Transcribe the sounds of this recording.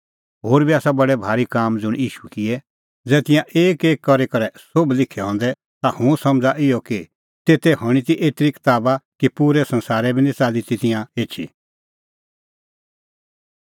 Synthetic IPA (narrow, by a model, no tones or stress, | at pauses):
ɦoːɾbiaːsabɐɽɛbʱaːɾikaːmd͡zʊɽ̃jiːʃu̥kɪɛ | d͡zɛːt̪ɪ̃jãʔeːkeːkːɔɾekɐɾɛsoblɪkʰɛɦɔ̃ːnd̪ɛ | t̪ahũsɐ̃md͡zaʔɪjɔki | t̪eːt̪ɛɦɔɽ̃it̪̬iʔeːt̪ɾikɪ̥t̪aːbakipuːɾɛsɐ̃nsaːɾɛbʱinĩt͡saːlit̪it̪ɪjãeːt͡ʃʰḭ